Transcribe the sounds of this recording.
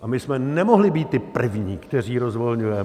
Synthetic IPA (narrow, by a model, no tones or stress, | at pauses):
ʔamɪsmɛnɛmoɦlɪbiːt̪̚ːɪpr̩vɲiːkt̪ɛr̝iːɾozvolɲujɛ